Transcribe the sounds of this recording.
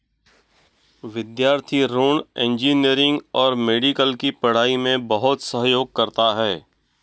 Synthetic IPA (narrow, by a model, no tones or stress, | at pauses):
ʋɪd̪jaːɾt̪ʰiɾoːɳẽnd͡ʒiːniəɾɪ̃ŋɡɔːɾmeːɖikəlkipɐɽ̤aːimẽbɐɦʊt̪səɦjoːɡ̚kɐɾt̪aɦɛː